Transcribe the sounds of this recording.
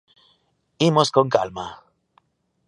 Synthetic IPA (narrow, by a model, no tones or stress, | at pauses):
imosko̞ŋkalma